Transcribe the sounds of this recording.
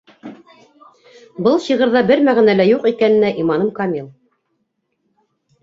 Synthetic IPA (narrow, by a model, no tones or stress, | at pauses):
bɤlˠɕɤ̆ʁɤ̆ɾðɑbɘɾmæʁænælæjuqikænɘ̆næʔimɑnɤmkɑmʲilˠ